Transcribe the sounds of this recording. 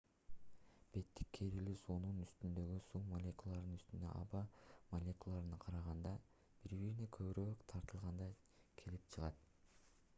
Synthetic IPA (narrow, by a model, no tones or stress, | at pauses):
b̥e̞t̪ːi̥kːʰe̞ɾilisununyst̪ynd̪ø̞ɡysumɐlʲe̞kulˠːɑɾd̪ɯnyst̪ynd̪ø̰ʔɑ̰bɑmɐlʲe̞kulˠːɑɾɯnɑqʰɑɾɑʁɑnd̪ɑ | b̥iɾbiɾinekʰø̞βyɾøːkt̪ʰɑɾt̪ɯlˠʁɑnd̪ɑ | kʰe̞lip̚t͡ʃʰɯʁɑt̪